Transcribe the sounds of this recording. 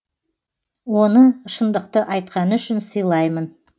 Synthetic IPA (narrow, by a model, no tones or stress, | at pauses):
wonəʃənd̪əqt̪əʔɑjt̪̚qɑnəʏʃɪnsəjlˠɑjmən